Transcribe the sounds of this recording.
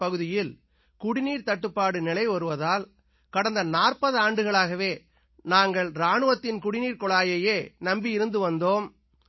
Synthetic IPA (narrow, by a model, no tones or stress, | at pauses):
ɐɣɯðɪjɪl | kʊɽɪniːɾt̪ɐʈːɯpːaːɽɯnɪlɐɪʋɐɾɯʋɐðaːl | kɐɽɐnd̪ɐnaːrpɐðɯaːɳɖɯɣɐɭaːɣɐʋeː | naːŋɡɐɭɾaːɳɯʋɐt̪ːɪnkʊɽɪniːɾkɔɭaːjɐjeːnɐmbiɪɾɯnd̪ɯʋɐnd̪oːm